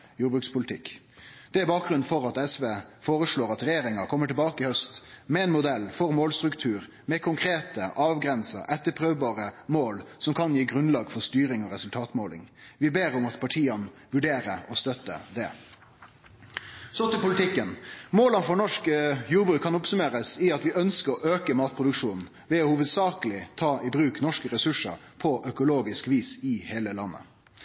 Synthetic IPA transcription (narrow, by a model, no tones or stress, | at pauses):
juːbʁʉːkspʰʊlt̪ʰɪkː | d̪̥ɛæɾbɑːk̚ɡʁʉn̩fɔɾɑt̪ɛsʋeːfoːʁəʂɭoːɾɑt̪ɾɛjeːɾɪŋɑkʰɔmːəʈɪlbɑːkəɪhœst̪mɛɛːnmʊd̪ɛlːfɔɾmoːlst̪ɾʉkt̪ʰʉːɾ | mɛkʰʊŋkʰɾeːt̪əʔɑːʋɡɾɛnsə̰ʔɛt̪ːəpʰɾøːʋbɑːʁəmoːlsɔmkʰɑnjiːɡɾʉnlɑːɡfɔɾst̪yːɾɪŋɔɾɛsʉlt̪ʰɑːt̪moːlɪ̰ŋʋɪbeːɾʊmɑt̪pʰɑʈʰiːɑnʋʉɖeːɾəɔst̪œt̪ːə̰d̪ɛ̰ | sɔt̪ɪpʊlɪt̪ʰɪkːənmoːlənfɔnɔʂkəjuːʁbɾʉːkʰːɑnʊpsʉmeːɾəsɪɑt̪ʋɪœnskəɔʔøːkəmɑːt̪̚pʰʁʊd̪ʉkʂuːnn̩ | ʋɛɔhuːʋəd̪sɑːkəlɪt̪ʰɑːʔɪbɾʉːknɔʂkəɾɛsʉʂə̰ɾ | pʰɔʔœkʊloːɡɪskʋiːsɪheːləlɑnːə̰